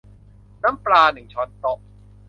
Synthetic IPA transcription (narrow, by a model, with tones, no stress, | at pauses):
naː˦˥mplaː˧nɯ˨˩ŋt͡ɕʰɔ˦˥nt̪ɔ˨˩ʔ̚